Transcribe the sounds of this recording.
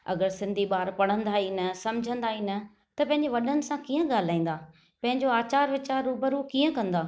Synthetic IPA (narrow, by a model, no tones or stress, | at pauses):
ɐ̰ɡəɾsɪ̃nd̪ʱiɓaːɾpɐɽ̤ə̃nd̪aːɦinəsɐ̃md͡ʑʱə̃nd̪aːɦiːnə̆ | t̪ɐpɐ̃ɦɪ̃ɲd͡ʑeʋɐɗənɪ̆sãkiːə̃ɠaːl̤aːĩːnd̪aː | pɐ̃ɦɪ̃ɲd͡ʑoaːt͡ɕaːɾʋɪt͡ɕaːɾːuːbəɾuːkiːə̃kɐ̃nd̪aː